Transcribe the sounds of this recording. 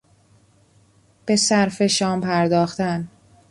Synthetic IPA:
b̥e̞sæɾfe̞ʃɒːmpʰæɾd̪ɒːxt̪æn

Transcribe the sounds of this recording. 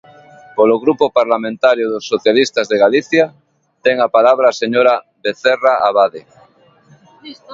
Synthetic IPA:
poloɣɾupopaɾlamẽnt̪aɾjoðosːoθjalist̪azðeɣaliθja | t̪eŋapalaβ̞ɾaseɲoɾa | βeθeraaβaðe

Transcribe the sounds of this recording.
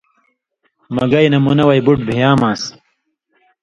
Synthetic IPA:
mɐɡɐjnɐmunɐwɐjbuʈ̚bʱijaːmaːs

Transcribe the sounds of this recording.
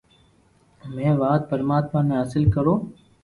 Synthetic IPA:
mɛ̃ːʋaːt̪̚pəɾmaːt̪maːmẽɦəsɪlkəɾoː

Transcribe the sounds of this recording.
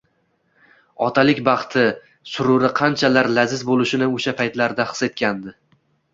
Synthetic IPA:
ɒt̪ʰalɪkʲbɑχt̪ʰɪ | sʊɾʊɾɪqʰɑnt͡ʃʰalaɾlazɪzbolˠɪʃɪnɪoʃapʰajt̪laɾd̪aχɨ̥se̞t̪̚kʲand̪ɪ

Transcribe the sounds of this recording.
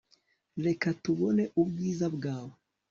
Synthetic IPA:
ɾe̞katuβoneʔubɡiːzabɡaːwo

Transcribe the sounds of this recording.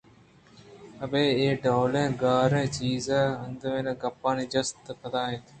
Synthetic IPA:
əbeːeːɖoːlẽːɡaːɾẽːt͡ʃiːzaːənd̪mẽːnãːɡɐpːãːniːd͡ʒəst̪pəd̪aːɦẽːt̪ʰː

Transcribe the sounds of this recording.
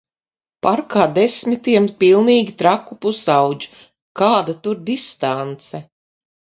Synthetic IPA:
paɾkaːd̪esmit̪iɛmpilˠniːɡʲit̪ɾakupusawd͡ʒu̥ | kaːd̪at̪uɾd̪ist̪ant̪sɛ

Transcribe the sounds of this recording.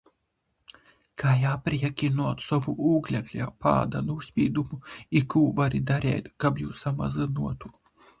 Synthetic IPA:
kaːjaːpʲɾʲiɛkʲinuɔt̪sɔvuʔuːɡlʲɛklʲɛ̰pa̰ːd̪ɐ̰nːsʲpʲiːd̪umuikuːvaɾʲid̪aɾʲɛ̰ːjt̪kapjuːsama̰zɨnuɔt̪u

